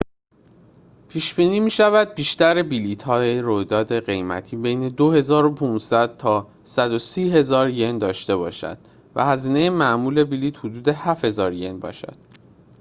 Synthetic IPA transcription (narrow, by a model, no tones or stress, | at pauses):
pʰiːʃbiːniːmiːʃævæd̪̚biːʃt̪æɾebilit̪ʰhɒːjeɾojd̪ɒːd̪e̞ɢe̞jmæ̰t̪ʰiːbejne̞d̪ohe̞zɒːɾopʰuːnsæd̪̥̚t̪ʰɒː | sæd̪osiːɦe̞zɒːɾje̞nd̪ɒːʃt̪e̞bɒːʃæ̰d̪̥ | væ̰hæziːne̞jemæʔmuːle̞biliːt̪hod̪uːd̪e̞hæfhe̞zɒːɾje̞nbɒ̰ːʃæ̰d̪̥